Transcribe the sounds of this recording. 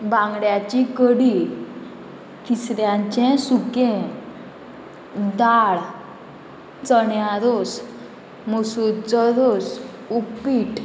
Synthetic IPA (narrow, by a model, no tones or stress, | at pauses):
bãŋɡɽjat͡ɕikəɽi | t̪ʰisɾjãɲt͡ɕɛ̃sukɛ̃ | d̪aɭ | t͡səɳjaɾos | musut͡səɾos | upiʈ